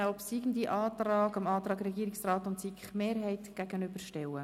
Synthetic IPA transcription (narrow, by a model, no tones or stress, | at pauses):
ɔpsiɡən̩diʔɑːt̪rɑːɡɑmɑːt̪ɾɑːɡɾɛɡiəɾɪksrɑːtʊntsikχmeːɾɦɛɪtɡ̥æɡənʏb̥əɾʃtɛwə